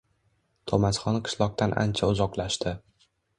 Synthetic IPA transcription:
t̪ʰomasχɒnqʰɨ̥ʃlˠɒq̚t̪ʰanʔa̰nt͡ʃʰaʊzɒqlaʃt̪ɪ

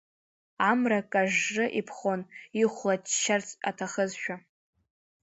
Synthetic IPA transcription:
amrakʼaʒːɨʔipʰχoniχʷlatʰʃart͡sʰʼa̰tʰaχəzʃᶣa

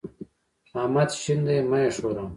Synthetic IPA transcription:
aːmɐt̪ɕind̪emɐeʂoːɾɐ̃m

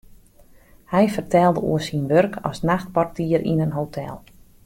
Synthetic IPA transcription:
hɛjfərtɛlˠdəṵəsinʋørkʰɔ̰snaxt̚partiəɾʔḭnənɦotʰɛ̰lˠ

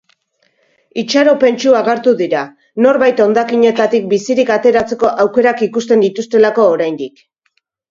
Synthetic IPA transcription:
it͡ʃaɾo̞pe̞nt͡ʃuaɣ̞eɾt̪uðiɾa | no̞ɾβajt̪o̞nd̪akiɲe̞t̪at̪ik̚bisiɾikat̪e̞ɾat͡se̞ko̞ʔawke̞ɾakikust̪e̞nd̪it̪ust̪e̞lako̞ːɾajnd̪ik

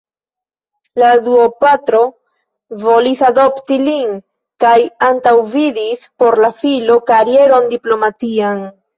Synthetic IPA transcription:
laduopatɾo̞ | vo̞lisado̞ptilin | kajantawvidispo̞ɾlafilo̞kaɾie̞ɾo̞ndiplo̞matian

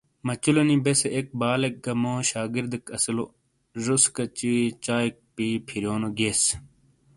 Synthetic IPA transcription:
mɐt͡ɕulonibeseʔek̚baːlek̚ɡɐmoːɕaːɡiɾd̪ɐkɐsilo | ʐoskɐt͡ɕit͡ɕaːik̚piːpʰiɾjoːnoɡes

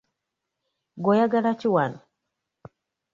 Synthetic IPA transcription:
ɡojaɡaɾat͡ʃiwanɔ

